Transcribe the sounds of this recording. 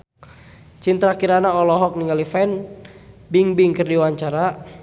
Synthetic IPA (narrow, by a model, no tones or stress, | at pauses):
t͡ʃint̪ɾakiɾanaɔlɔɦɔk̚niŋalifɛn | biŋbiŋkɨrdiwaɲt͡ʃaɾa